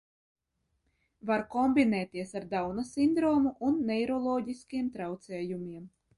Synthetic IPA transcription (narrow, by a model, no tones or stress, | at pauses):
vaɾkɔmbʲinɛːt̪ʲiɛsaɾd̪awnasind̪ɾɔːmuʔunːɛjɾɔlˠɔːɟiskʲiɛmt̪ɾawt̪sɛːjumʲiɛm